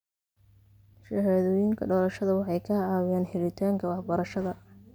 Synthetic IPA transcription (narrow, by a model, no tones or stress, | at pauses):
ʃɐɦaːðɔːjɪŋkʰɐɖɔːlɐʃɐðɐwɑħɑjkʰɐʕɑːwaːnħɛlɪt̪ʰaːŋkʰɐwɑħbɐɾɐʃɐðɐ